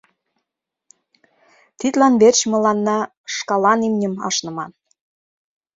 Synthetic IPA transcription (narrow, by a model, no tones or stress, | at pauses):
t̪it̪lɑnβert͡ɕmɤ̆lɑnːɑ | ʃkɑlɑnimnʲə̆mɑ̰ʃnɤ̆mɑn